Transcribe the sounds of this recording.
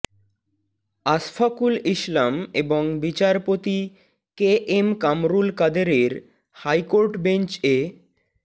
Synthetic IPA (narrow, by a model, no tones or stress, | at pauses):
asfakuliʃlameboŋbit͡ɕaɾpot̪i | keʔemkamɾulkad̪eɾeɾ | hajkoɾʈbent͡ɕe